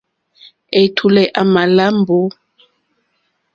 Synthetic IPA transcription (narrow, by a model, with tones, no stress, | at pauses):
e˨tʰu˨lɛ˨ʔa˨ma˨la˦mbo˦